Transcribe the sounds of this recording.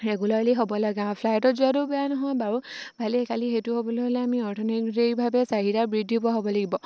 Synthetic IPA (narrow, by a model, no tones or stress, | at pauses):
ɛɡulaɹleɦobɔlaɡapʰlajɔtɔtzuatubɛjanɔɦɔjbaɹubʱaliɛkalixejtʊɦobɔlojɦolɛamiɔɹtʰɔnɛktekbʱabɛsaɦiɹabɹidʱibɔɦobɔlaɡibɔ